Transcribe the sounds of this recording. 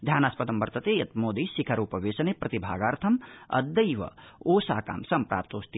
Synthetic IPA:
d̪ʱjaːnaːspɐd̪ɐmʋɐɾt̪ɐt̪eːjɐt̪moːd̪iːsikʰɐɾuːpɐʋeːsɐneːpɾɐt̪ibʱa̰ːɡaːɾt̪ʰɐmɐ̰d̪ːɐjʋɐ̰ | oːsaːka̰ːmsɐmpɾa̰ːp̚t̪oːst̪i

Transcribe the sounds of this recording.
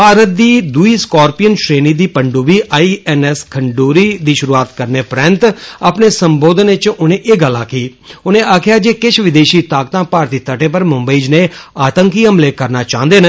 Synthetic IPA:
paːɾət̪̚d̪iːd̪uiːskɔːɾpijənʃɾeːniːd̪iːpəɳɖuːbiːʔaːiːɛːnɛskʰəɳɖuːɾiːd̪iːʃʊɾuːaːt̪kəɾneːpɾɛ̃nt̪aːpneːsəmboːd̪ənɪt͡ʃʊnẽːʔeːɡəlːãːkiːʊnẽːʔaːkʰjaːd͡ʒeːkɪt͡ʃʰʋɪd̪eːʃiːt̪aːkt̪ãːpaːɾt̪iːt̪əʈẽːp̬əɾmʊ̃mbəiːd͡ʒneːaːt̪əŋkiːɦəmleːkəɾnaːt͡ʃãːnd̪eːn

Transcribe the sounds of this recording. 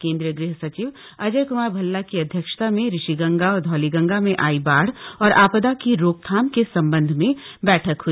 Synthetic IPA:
kẽːnd̪ɾijəɡɾɪɦsɐt͡ʃiːʋ | ɐd͡ʒəjkʊmaːɾbʱɐlːakiɐd̪ʱjəkʃt̪amẽɾɪʃiɡɐ̃ŋɡaɔːɾd̪ʱɔːliɡɐ̃ŋɡamẽʔaːibaːɽ̤ɔːɾaːpd̪akiɾoːk̚t̪ʰaːmkesɐ̃mbə̃nd̪ʱmẽbɛːʈʰəkɦui

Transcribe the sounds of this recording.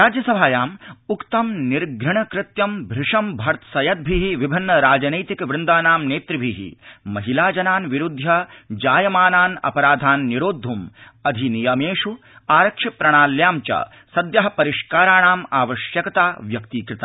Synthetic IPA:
ɾaːd͡ʒjɐsɐbʱaːjaːmukt̪ɐmniɾɡʱɾɐɳɐkɾɪt̪jɐmbʱɾɪʂɐmbʱɐɾt̪ʰsɐjɐt̪̚bʱiɦiʋibʱinːɐɾaːd͡ʒɐnɐjt̪ikʋɾɪnd̪aːnaːmneːt̪ɾibʱiɦḭmɐɦilaːd͡ʒɐnaːnʋiɾud̪ʱːjɐd͡ʒaːjɐmaːnaːnɐ̰pɐɾaːd̪ʱaːnːiɾoːd̪ʱːumɐd̪ʱinijɐmeːʂu | aːɾɐkʂipɾɐɳ̃aːljaːmt͡ʃɐ̰ | sɐd̪jɐɦɐpɐɾiʂkaːɾaːɳaːmaːʋɐʃjɐkɐt̪aːʋjɐkt̪iːkɾɪt̪a

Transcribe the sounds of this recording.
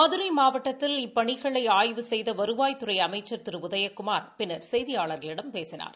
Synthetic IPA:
mɐðɯɾɐɪmaːʋɐʈːɐt̪ːɪlɪpːɐɳɪɣɐɭɐɪaːjʋɯsɛjðɐʋɐɾɯʋaːjt̪ɯɾɐɪɐmɐɪt͡ʃːɐɾt̪ɪɾɯʊðɐjɐkːʊmaːɾpɪnːɐɾsɛjðɪjaːɭɐɾɣɐɭɪɽɐmpeːsɪna̰ːɾ

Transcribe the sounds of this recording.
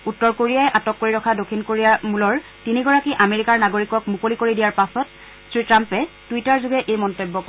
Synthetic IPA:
utːɔɹkoɹijajɛʔatɔkːoɹiɹɔkʰadokʰːinkoɹijamulɔɹ | tiniɡɔɹakiʔameɹikaɹnaɡoɹikɔkmukolikoɹidijaɹpasɔt | sɹitɹampɛtuitaɹzuɡɛʔejmɔntobːɔkɔ

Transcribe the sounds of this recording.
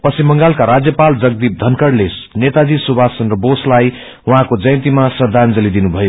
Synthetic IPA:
pʌsimːʌŋɡalkaɾad͡zjʌpald͡zʌɡ̚d̪ip̚d̪ʱʌnkʌɽlesnet̪ad͡zisubʱasʌnrʌboslaj | wʌ̃ɦãkod͡zʌjʌ̃nt̪imasʌd̪ʱand͡zʌlid̪inubʱʌjo

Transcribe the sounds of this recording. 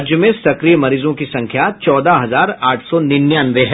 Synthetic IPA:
ɾd͡ʒjəmẽsɐkɾijmɐɾiːzõkisɐ̃ŋkʰjat͡ʃɔːd̪aɦɐzaːɾaːʈʰsɔnɪnjaːnɾeɦ

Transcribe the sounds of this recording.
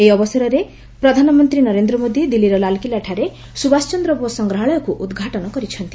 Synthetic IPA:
eiɔbɔsɔɾɔɾe | pɾɔd̪ʱanɔmɔnt̪ɾinɔɾend̪ɾɔmod̪id̪ilːiɾɔlalkilaʈʰaɾe | subast͡ʃɔnd̪ɾɔbosɔŋɡɾɔɦɔɭɔjɔkuʔud̪ɡʱaʈɔnɔkɔɾit͡ʃʰɔnt̪i

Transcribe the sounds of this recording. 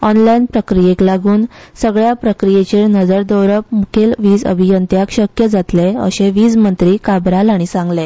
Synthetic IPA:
ɔnlainpɾəkɾijeklaɡuːnsəɡɭjapɾəkɾijet͡ɕeɭnəd͡zəɾd̪əwɾəp̚mukʰelʋiːd͡zə̰bʱijənt̪jakɕəkjəd͡zat̪leə̰ɕeʋiːd͡zmənt̪ɾiːkabɾalaɽ̃isãŋɡle

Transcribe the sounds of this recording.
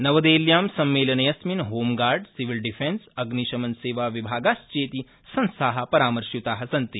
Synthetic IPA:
nɐʋɐd̪eːljaːmsɐmːeːlɐnɐjɐsminɦoːmɡaːɾɖsiʋilɖifensɐɡniʃɐmɐnseːʋaʋibʱaːɡaːst͡ʃeːt̪i | sɐ̃nsaɦapɐɾaːmɐɾʃjut̪aːɦɐsɐnt̪i

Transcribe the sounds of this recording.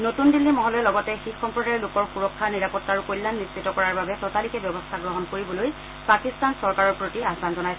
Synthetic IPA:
notundilːimɔɦɔlɔjɛlɔɡɔtɛxixɔmpɹɔdajɔlokɔɹxuɹɔkʰːaniɹapɔtːaɹukojlːanːisːitːɔkɔɹaɹbabɛtɔtalikɛbjɔbɔstʰaɡɹɔɦɔnkoɹibɔloj | pakistansɔɹkaɹɔɹpɹotiaɦbanzɔnajs

